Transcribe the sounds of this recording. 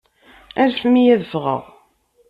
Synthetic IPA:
æɾfmijæðəfʁə̰ʁ

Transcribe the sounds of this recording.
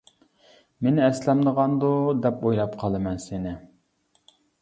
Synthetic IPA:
mɪnɛslɛmd̪əʁɑnd̪ud̪ɛpojlˠɑpqʰɑlˠɨmɛnsɪnɪ

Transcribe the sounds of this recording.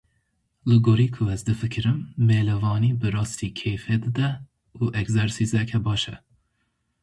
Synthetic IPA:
lɨɡoɾiːkʰuɛzd̪ɨfɨkʰɨɾɨmːeːlɛvɑːniːbɨɾɑːst̪iːkʰejfɛd̪ɨd̪ɛ | uʔɛkzɛɾsizɛkʲʰɛbɑːʃɛ̰

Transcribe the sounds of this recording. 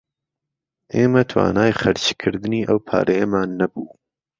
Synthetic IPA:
ʔeːmɐt̪ʰwa̰ːnaːjχɐɾt͡ʃkʰɨɾd̪ɨniːʔɐwpʰa̰ːɾʔɐjɐmaːnːɐbuː

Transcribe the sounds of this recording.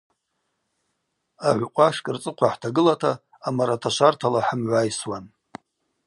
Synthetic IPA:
aʕʷqʷʼaʂkʼɨrt͡sʼɨqʷʰaħtʰaɡɨlatʰaː | maɾatʰaʃʷartʰalaħəmʕʷajswan

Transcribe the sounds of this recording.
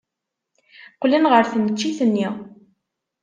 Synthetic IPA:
qlinʁəɾθənət͡ʃːiθənːi

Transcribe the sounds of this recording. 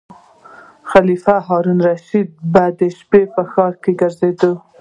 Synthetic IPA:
xalifaɦɑɾunɾaʃid̪̚bad̪əʃpepəxɑɾkeɡəɾzed̪ə

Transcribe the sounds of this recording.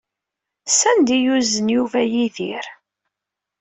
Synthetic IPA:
sænd̪ijuzənjuvæjiθiɾ

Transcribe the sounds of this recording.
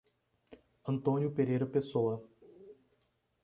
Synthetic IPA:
ɐ̃nt̪õnjʊpeɾejɾɐpesowɐ

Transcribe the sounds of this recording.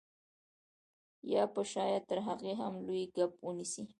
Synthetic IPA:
jɑpəʃɑjat̪əɾɦaɣeɦamlojɡap̚wənisi

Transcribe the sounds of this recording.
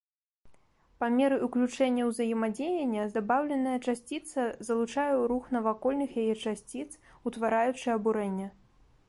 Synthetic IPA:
pamʲɛɾɨʔuklʲut͡ʂɛnʲːɐwzɐjɛmad͡zʲejɐnʲːɐzd̪abawlʲɛnɐjɐt͡ʂasʲt͡sʲit̪sɐzɐlˠut͡ʂajɛwɾuxn̪ɐvakɔlʲnɨxjajɛt͡ʂasʲt͡sʲit̪s | ut̪vaɾajut͡ʂɨɐbuɾɛnʲːɐ

